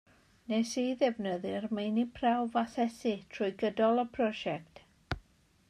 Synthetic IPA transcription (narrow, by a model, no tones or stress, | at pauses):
nɛsiðɛvnəðɨrmejnipʰrawvasɛsitʰrʊjɡədɔlˠəpʰrɔʒɛk̚t